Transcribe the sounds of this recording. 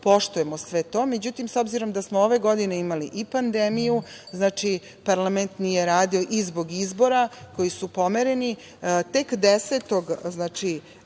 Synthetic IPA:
po̞ʃt̪uje̞mosʋet̪o̞ːme̞d͡ʑut̪imso̞bziɾo̞md̪asmooʋe̞ɡo̞d̪ine̞imaliʔipand̪emiju | znaːt͡ʃi | paɾlˠament̪nije̞ɾaːd̪io̞ʔizbo̞ɡizbo̞ɾako̞jisupo̞meɾe̞ni | t̪ekd̪eset̪o̞ɡznaːt͡ʃi

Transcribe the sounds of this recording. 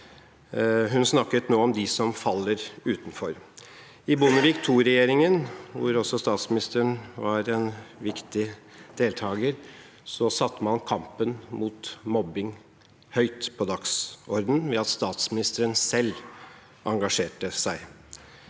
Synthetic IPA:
ɦʉnsnɑkːət̪noːɔmd̪ɪsɔmfɑlːəɾʉːt̪nfɔɾ | ɪbʊnəɾɪkt̪ʰuːɾɛjeːɾɪŋənʋʊɾɔsɔst̪ɑːt̪smɪnɪst̪əɾəɳʋɑɾɛnʋɪkt̪ɪd̪̥eːlt̪ʰɑːɡəɾ | sɔsɑt̪ːəmɑnkʰɑmpənmuːt̪mɔbɪŋ | hœʏt̪pʰɔd̪ɑksɔɾd̪n̩ʋɛɑt̪st̪ɑːt̪smɪnɪst̪əɾənsɛlː | ʔɑŋɡɑʂeːʈəsæɪ

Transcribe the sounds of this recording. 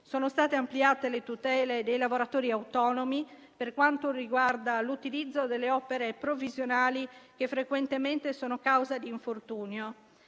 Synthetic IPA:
sɔːnost̪aːt̪eampliaːt̪elet̪ut̪ɛːled̪ejlavoɾat̪oːɾiawt̪ɔːnomi | perkwant̪oriɡward̪alut̪ilid̪zːod̪elːeɔːpeɾepɾovizjonaːlik̟efːɾekwɛnt̪emɛnt̪esɔːnokawzad̪iːɱfort̪uːnjo

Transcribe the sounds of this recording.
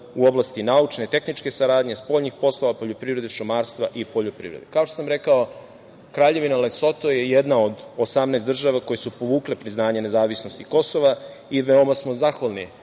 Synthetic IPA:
uo̞blast̪inaut͡ʃnet̪e̞xnit͡ʃke̞saɾaːd̪ɲe̞spo̞ʎɲixpo̞slˠo̞ʋapo̞ʎopɾiːvɾe̞d̪eʃumaːɾst̪ʋaʔipo̞ʎopɾḭːʋɾḛd̪ekaot̪osamɾe̞kao | kɾaːʎe̞ʋinaleso̞t̪o̞je̞jed̪naod̪osamneːsd̪rʒaʋako̞jesupo̞ʋuːklepɾiznaːɲene̞zaːʋisno̞st̪iko̞soʋa | iʋeo̞masmozaxʋalˠni

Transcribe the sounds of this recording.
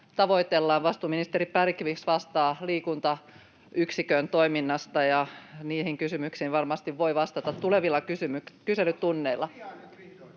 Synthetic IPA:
t̪ɑʋo̞it̪elːɑːnʋɑst̪uːminist̪eɾippærikːiʋiksʋɑst̪ɑːliːkunt̪ɑ | yksikønt̪o̞iminːɑst̪ɑjɑniːhiŋkysymyksiːnʋɑrmɑst̪iʋʋoiʋɑst̪ɑt̪ɑt̪tuleʋilːɑkysymykkyselyt̪tunːeilːˑɑ

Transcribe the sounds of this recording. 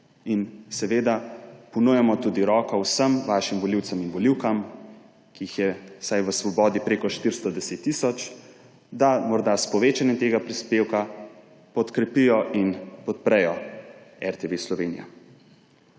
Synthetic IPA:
insɛʋeːd̪apɔnujɛmɔt̪ud̪iɾɔːkɔwsəmʋaʃimʋɔliwt̪sɛminʋɔliwkam | kiixjɛsajʋəsʋɔbɔːd̪ipɾeːkɔʃt̪iɾst̪ɔd̪ɛset̪ːisɔt͡ʃ | d̪amɔɾd̪aspɔʋeːt͡ʃanɛt̪eːɡapɾispeːwka | pɔt̪kɾɛpijɔʔinpɔt̪̚pɾɛjɔ | ɛɾt̪eʋeslɔʋeːnḭja̰

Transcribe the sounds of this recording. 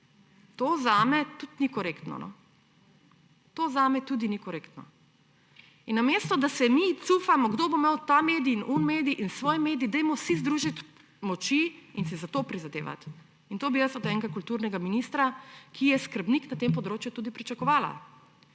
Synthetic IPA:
t̪oːzaːmɛt̪ut̪nikɔɾekt̪nɔ̰nɔ̰ | t̪oːzaːmɛt̪ud̪inikɔɾekt̪nɔ̰ | inːamest̪ɔd̪asɛmit̪sufamɔɡd̪obomawt̪ameːd̪iːnʔunmeːd̪iʔinsʋɔːjmeːd̪iːd̪ɛjmɔsizd̪ɾuːʒit̪ | mɔt͡ʃiinsizat̪oːpɾizad̪ḛːʋa̰t̪ | int̪oːbijəsɔt̪ɛŋɡakult̪uɾnɛɡaminist̪ɾakʰijɛskəɾbniknat̪empɔd̪ɾoːt͡ʃjut̪uːd̪ipɾit͡ʃakɔʋaːla̰

